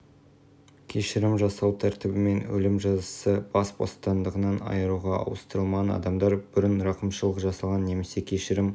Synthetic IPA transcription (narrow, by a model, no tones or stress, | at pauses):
kʲʰe̞ʃɪɾɪmʒɑsɑlˠt̪ʰæɾt̪ɪbɪme̞nwɵ̰lɪmʒɑzəsəbɑsbo̞̰st̪ɑnd̪əʁənɑnɑ̰jəɾuʁɑɑ̰wəst̪əɾəlˠmʁɑnɑ̰d̪ɑmd̪ɑɾbʏɾɪnɾɑqəmʃəlˠəqʒɑsɑlˠʁɑnːe̞me̞se̞kʲʰe̞ʃɪɾɪm